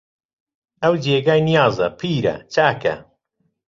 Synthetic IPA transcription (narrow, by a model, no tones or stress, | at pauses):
ɐwd͡ʒeːɡaːjnijɑːzɐpʰiːɾɐ̰t͡ʃaːkɐ̰